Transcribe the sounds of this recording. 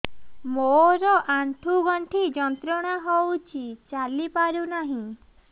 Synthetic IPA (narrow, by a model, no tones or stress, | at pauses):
moɾɔʔaɳʈʰuɡɔɳʈʰid͡ʒɔnt̪ɾɔɽ̃aɦowt͡ʃʰit͡ʃalipaɾunaɦĩ